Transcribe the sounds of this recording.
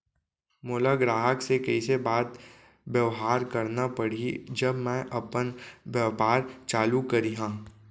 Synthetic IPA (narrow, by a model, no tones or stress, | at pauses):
mʊləɡɾaːɦəksekɐisebaːt̪ | bjɐʋɦaːɾkɐɾnapɐɽ̤id͡ʒɐbmɛ̃ʔɐpənʋjɐʋpaːɾt͡ʃaːlukɐɾiɦãː